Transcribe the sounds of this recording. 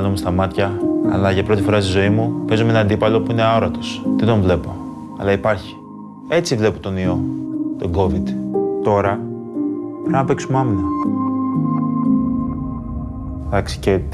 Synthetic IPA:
lomest̪ɐmɐt̪çɐɐ̰lɐʝɐpɾo̞t̪ifo̞ɾɐst̪izo̞imupe̞zumeenɐnd̪ipɐlo̞puineaoɾɐt̪o̞st̪ed̪o̞ɱvle̞po̞ | ɐlɐipɐɾçi̥ | e̞t͡sivle̞pot̪o̞nio̞t̪o̞ɡo̞vid̪t̪o̞ɾɐ | pɾɐnɐpeksumɐmne | ðɐksi̥ce

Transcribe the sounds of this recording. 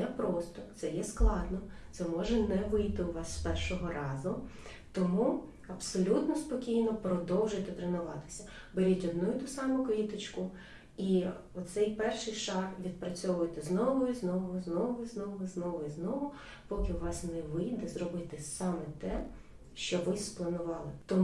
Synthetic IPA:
jɛpɾɔst̪ɔt̪sɛjɛsklˠɑd̪nɔt̪sɛmɔʒɛnɛʋɪjt̪ɪʊʋɑsːpɛrʃɔɦɔɾɑzʊt̪ɔmu | ɐpsɔlʲut̪nɔspɔkʲijnɔpɾɔd̪ɔwʒʊjt̪ɛt̪ɾenʊʋɑt̪ɪ̥sʲɐ | beɾʲitʲɔd̪nujit̪usɑmʊkit̪ɪt͡ʃkʊ | i | ɔt̪sɛjpɛrʃɪjʃɑkʋʲid̪̚pɾɐt͡sʲɔʋʊjɛt̪ɛznɔʋʊiznɔʋʊznɔʋʊiznɔʋʊiznɔʋʊiznɔʋʊ | pɔkʲɪʊʋɑsnɛʋɪjd̪ɛzrɔbɪt̪ɪsɑmɛt̪ɛ | ʃt͡ʃɔʋɪsplˠɐnʊʋɑlˠɪt̪ɔ

